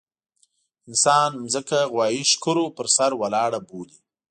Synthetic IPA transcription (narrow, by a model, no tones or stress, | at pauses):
ɪnsɑnmzəkaɣwɑːjiʃkʊɾopəɾsaɾwalɑːɽaboli